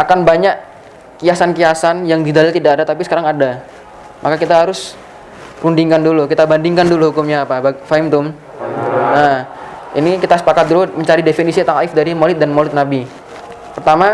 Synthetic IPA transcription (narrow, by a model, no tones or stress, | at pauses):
ʔakanbaɲaʔ | kijasankiasanjaŋdidalɪlt̪idakadat̪apisə̥kaɾaŋada | mʔakakit̪aɦaɾʊs | rundiŋkandulukit̪abandiŋkanduluhukʊmɲaːpabafaɪmt̪ʊm | naḭnikit̪asə̥pakat̪̚duluməɲt͡ʃaɾidefinisit̪aŋaɪfdaɾimolɪt̪̚danmolɪt̪̚nabi | pərt̪ama